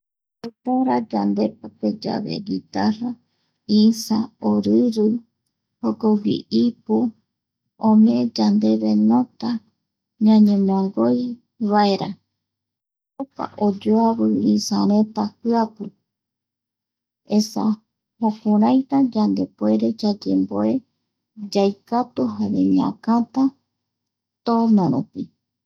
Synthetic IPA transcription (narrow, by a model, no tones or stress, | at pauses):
ot̪aɾad͡ʒand̪e̞p̚ape̞d͡ʒa̰βḛɡit̪aɾa | isaoɾɨɾɨ | hokoɡḭʔipu | õmẽd͡ʒand̪e̞βenõt̪a | ɲãɲẽmõŋɡoj | βaeɾa | opa̰ʔod͡ʒoaβɨisaɾẽt̪ahɨapɨ | esa̰ | hokũɾajt̪ad͡ʒand̪epwe̞ɾe̞d͡ʒad͡ʒe̞mboe | d͡ʒajkat̪uɦaɾḛɲiã̰kãt̪a | t̪onõɾupi